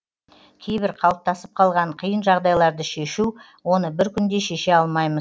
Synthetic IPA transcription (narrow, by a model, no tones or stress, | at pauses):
kʲʰe̞jbɪɾqʰɑlˠəp̚t̪ɑsəp̚qʰɑlˠʁɑɴqʰijənʒɑʁd̪ɑjlˠɑɾd̪əʃe̞ʃu | wo̞nəbɪɾkʲʏnd̪e̞ʃe̞ʃe̞ɑlˠmɑjməz